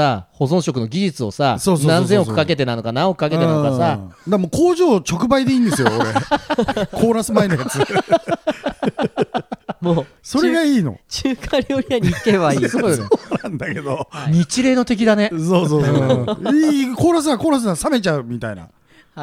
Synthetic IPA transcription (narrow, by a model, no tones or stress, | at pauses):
saho̞zõ̞ɰ̃ɕo̞kɯ̟no̞ɡʲiʑit͡sɨo̞sasoːsnoãnzẽ̞okɯ̟̥kake̞t̪̬e̞nano̞kanãɰ̃okɯ̟̥kakeẽaookasad̪amoːkoːʑo̞ːt͡ɕo̞kɯ̟baid̪eĩːnd̪esɨjooɾe | kʰoːɾasɨmainojat͡sɨ | moːso̞ɾeɡaiːno̞̰t͡ɕɨːkʰaɾʲijo̞ɾʲiaɲikeβaiiːoonãnd̪ake̞d̪oɲ̟it͡ɕiɾe̞ːno̞t̪e̞k̬ʲid̪ane̞soːsoːiːkoːɾas̬ɨakoːɾas̬ɨnãsame̞t͡ɕaɯ̟mʲit̪aina̰